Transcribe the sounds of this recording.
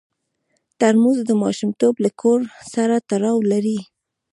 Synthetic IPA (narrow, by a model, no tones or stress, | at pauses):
t̪aɾmuzd̪əmɑʃumt̪oblakʰoɾsaɾat̪aɾɑwlaɾi